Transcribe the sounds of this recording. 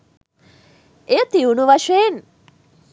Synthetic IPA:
et̪iunuʋɐʃeːn

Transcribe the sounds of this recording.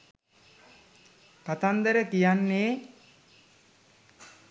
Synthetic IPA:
kat̪and̪əɾəkijanːeː

